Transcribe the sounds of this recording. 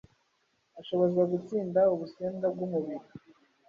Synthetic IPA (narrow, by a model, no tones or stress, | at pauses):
aʃo̞βozɡaɡut͡siːndauβuseːnɡab̚ɡumuβiɾi